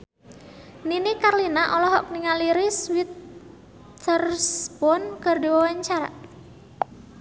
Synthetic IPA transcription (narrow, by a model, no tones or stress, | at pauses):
ninikarlinaʔɔlɔɦɔk̚niŋaliɾiswit̪ | ərsbɔnkərdiwawaɲt͡ʃaɾa̰